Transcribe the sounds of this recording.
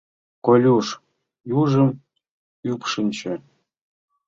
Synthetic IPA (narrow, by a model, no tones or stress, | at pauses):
kolʲuʂ | juʐə̆m | ypʂɨnʲt͡ɕĕ